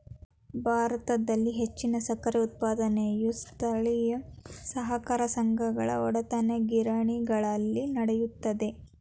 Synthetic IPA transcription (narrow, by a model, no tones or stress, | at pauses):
bʱaːɾɐt̪ɐd̪ɐlːiɦet͡ʃːinɐsɐkɐɾeut̪̚paːd̪ɐnejust̪ʰɐɭijɐsɐɦɐkaːɾɐsɐŋɡʱɐɡɐɭɐ̰ɔɽɐt̪ɐneɡiɾaːɳiɡɐɭɐlːinɐɽejut̪ːɐd̪e̞